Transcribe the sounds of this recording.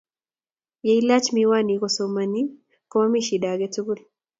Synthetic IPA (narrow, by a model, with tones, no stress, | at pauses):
je˨i˦la˦t͡ʃmiwa˦ni˨kosoma˨ni˦ | ko˦a˦mi˦ʃi˨da˨ɡɛ˦tuɡu˦l